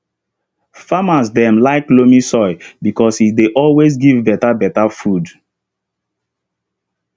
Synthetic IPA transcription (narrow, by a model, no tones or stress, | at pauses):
famas̬dɛ̃mlaɪklomisɔɪbikɔsideʔɔlwesɡivbɛtabɛtafud